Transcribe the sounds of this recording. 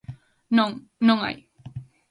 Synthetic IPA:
nõŋ | nõŋa̰j

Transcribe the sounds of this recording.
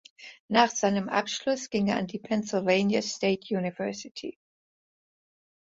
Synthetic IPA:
naːχz̥aɪnəmʔa̰pʃlʊsɡ̥ɪŋeːɐandiːpʰɛnsɪlveɪnjasteːtʰjuːnivɛɐsɪtʰḭː

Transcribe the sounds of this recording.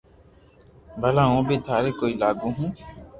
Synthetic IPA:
bʱəlãːõːbeːt̪ʰaːɾeːkoːiːlaːɡũːɦũː

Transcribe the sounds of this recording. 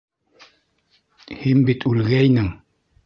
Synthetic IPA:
hinbit̪ʰʉlɡæjnɘŋ

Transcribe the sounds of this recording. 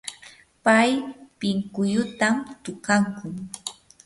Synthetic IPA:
pajpɪŋkʊjʊt̪amt̪ʊkaŋkʊŋ

